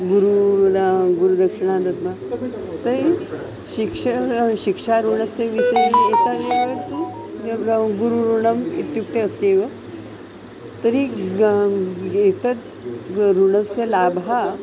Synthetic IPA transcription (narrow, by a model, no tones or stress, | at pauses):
ɡuɾu | ɡuɾud̪əkʂəɳad̪ət̪ma | t̪əɾi | ɕikʂəɕikʂaɾuɳəseʋisəjet̪aeʋəɾki | ɡuɾuɾuɳəmit̪juk̚t̪eəst̪eʋə | t̪əɾi | et̪ət̪ | ɾuɳəselabɦa